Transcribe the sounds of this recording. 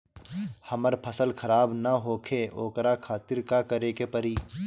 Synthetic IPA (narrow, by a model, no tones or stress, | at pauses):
hɐməɾpʰəsəlkʰɐɾaːbnɐɦoːkʰeoːkɾakʰaːt̪ɪɾkakəɾekepəɾiː